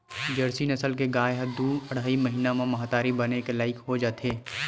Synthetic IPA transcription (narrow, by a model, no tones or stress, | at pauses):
d͡ʒəɾsinɐsəlkeɡaːeɦɐd̪uːɐɽ̤aːimɐɦiːnamãmɐɦaːt̪aːɾibɐnekelaːɪkɦod͡ʒaːt̪eː